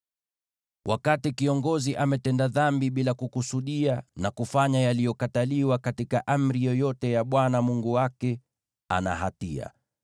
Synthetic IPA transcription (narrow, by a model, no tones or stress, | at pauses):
wʔakatikiɔŋɡɔziʔamɛtɛndaðambiɓilakukusuɗianakufaɲajalijɔkataliwakatikaʔam̩ɾijɔjɔtɛjaɓwanamuŋɡuwakɛ | a̰na̰ɦatia̰